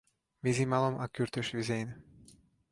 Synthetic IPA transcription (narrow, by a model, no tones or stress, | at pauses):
vizimalomʔa̰kyɾt̪øʃʋizejn